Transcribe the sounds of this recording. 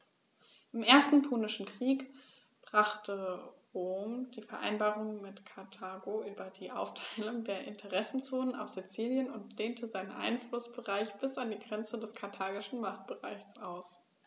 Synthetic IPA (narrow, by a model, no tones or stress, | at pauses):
ʔɪmʔeːɐstn̩pʰoːnɪʃn̩kʁ̥iːk | b̥ʁ̥aχtʰəʁoːmd̥iːfɛɐʔa̰ɪnbaːʁʊŋmɪtkʰaɐtʰaːɡoʔyːbɐdiːʔa̰ʊftʰaɪlʊŋdeːɐʔɪntʰəʁɛsn̩t͡soːnəna̰ʊfz̥it͡siːljənʊntl̥eːntʰəzaɪnənʔa̰ɪnflʊsb̥əʁaɪçb̥ɪsandiːɡʁɛnt͡sədɛskʰaɐtʰaːɡɪʃn̩maχt̚b̥əʁaɪçsʔaʊs